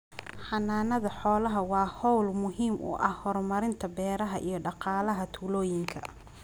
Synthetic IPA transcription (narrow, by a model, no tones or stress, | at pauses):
ħɑnaːnɐðɐħɔːlɐɦɐwɑːhɔwlmʊɦiːmʔʊ̰ʔɐhhɔrmɐɾɪnt̪ʰɐbɛːɾɐɦɐʔḭjɞɖɑqɑːlɐɦɐt̪ʰuːlɔːjɪŋkʰɐ̰